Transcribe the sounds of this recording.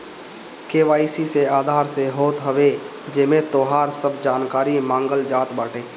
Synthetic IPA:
keːʋaːisiseaːd̪ʱaːɾseɦoːt̪ɦəʋe | d͡ʒɪmẽt̪oːɦaːɾsəbd͡ʒaːnkaːɾimãːŋɡəld͡ʒaːt̪baːʈeː

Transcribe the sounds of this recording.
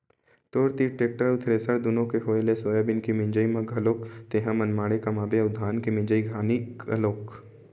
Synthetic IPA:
t̪oːɾt̪iʈeːk̚ʈəɾʊt̪ʰɾeːsəɾd̪ʊnõkeɦoːelesoːjabɪnkimɪ̃ɲd͡ʒəimɐɡʱɐloːkt̪eːɦãmɐnmaːɽekamaːbeʊd̪ʱːaːnkimɪ̃ɲd͡ʒəiɡʱaːnikɐ̰loːk

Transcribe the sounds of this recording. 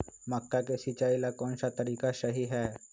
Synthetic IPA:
məkːakesit͡ʃaːilakɔːnsat̪əɾiːkaʃəɦiɦɛː

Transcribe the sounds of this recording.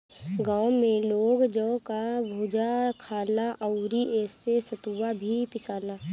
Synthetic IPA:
ɡãːwmẽloːɡd͡ʒəːkabʱoːd͡ʒakʰaːlaʔəʊɾiʔeːsːesət̪uʋabʱipɪsaːlaː

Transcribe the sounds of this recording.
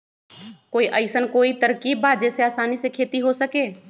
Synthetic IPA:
koːiʔəɪsənkoːit̪əɾkibːaːd͡ʒɛːseaːsaːnisekʰeːt̪iɦosəkeː

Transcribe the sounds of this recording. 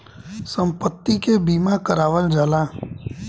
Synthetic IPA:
sə̃mpət̪ːikebiːmakəɾaːʋəld͡ʒaːlaː

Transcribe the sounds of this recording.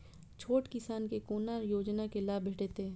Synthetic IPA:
t͡ʃʰoːʈkɪsaːnkekoːnajoːd͡ʒnakelaːbʱeːʈeːt̪eː

